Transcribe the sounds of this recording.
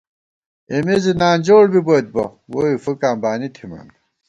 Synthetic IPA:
emezinaːnd͡ʑoːɽbibojt̪̚bɐ̰woifukaːmbaːnit̪ʰimɐ̰n

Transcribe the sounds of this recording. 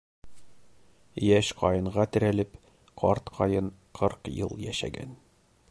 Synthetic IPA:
jæɕqɒjɤ̆ɴʁɑt̪ɘ̆ɾælɘp | qʰɒɾt̪qʰɒjɤnqʰɤɾqjɤ̰lˠjæʃæ̰ɡæ̰n

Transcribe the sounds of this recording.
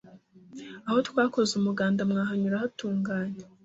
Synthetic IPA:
aho̞tkwaːko̞zumuɡaːndamŋaːɦaɲuɾahatuːŋɡaːɲe

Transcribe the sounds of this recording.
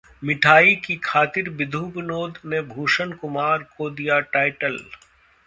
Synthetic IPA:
mɪʈʰaːikikʰaːt̪ɪɾbɪd̪ʱubɪnoːd̪nebʱuːʃənkʊmaːɾkod̪ijaʈaːɪʈəl

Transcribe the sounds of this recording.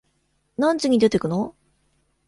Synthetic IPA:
nãɲt͡ɕiɲ̟id̪e̞t̪e̞kɯ̟no

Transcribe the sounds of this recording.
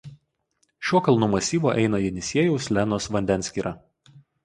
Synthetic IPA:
ʃʲuɔkɐlˠnumɐsʲiːʋoːʔɛɪnɐjɛnʲɪsʲiɛjʊʊslʲɛnoːsʋɐnʲd̪ʲɛnʲsʲkʲiːɾʔɑ

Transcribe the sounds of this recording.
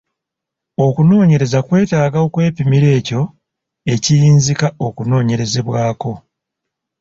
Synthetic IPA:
o̞kuno̞ːɲe̞ɾe̞zakwe̞ːtaːɡaokwe̞ːpimiɾe̞ːco̞ | e̞cijiːnzikao̞kuno̞ːɲe̞ɾe̞ze̞βwaːko̞

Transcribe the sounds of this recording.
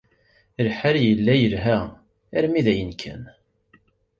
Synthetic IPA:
əlħaɾjəlːæjəlɦæ | æɾmiðæjənkʰæ̰n

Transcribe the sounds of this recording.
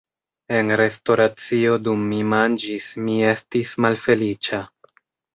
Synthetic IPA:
e̞nɾe̞sto̞ɾat͡sio̞dumːimand͡ʒismie̞stismalfe̞lit͡ʃa

